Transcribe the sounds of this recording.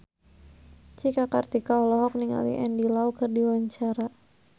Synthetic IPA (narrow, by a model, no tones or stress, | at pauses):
t͡ʃikakart̪ikaɔlɔɦɔk̚niŋa̰lḭʔɛndilaukərdiwaɲt͡ʃaɾa